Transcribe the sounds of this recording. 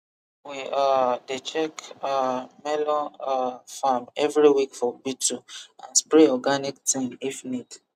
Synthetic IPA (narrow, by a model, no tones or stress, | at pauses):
wiadet͡ʃɛkamɛlɔ̃nafamɛvɾiwikfɔbitʰuã̰nspɹeɔɡaniktĩŋifnit